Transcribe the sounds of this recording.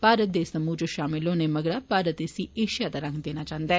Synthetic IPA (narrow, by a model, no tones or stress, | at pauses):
paːɾət̪̚d̪esɐmuːd͡ʒoʃaːmɪlõːnemɐɡɽaːpaːɾət̪esieːʃijad̪aɾɐ̃ŋɡd̪eːnaːt͡ʃãːnd̪aɛː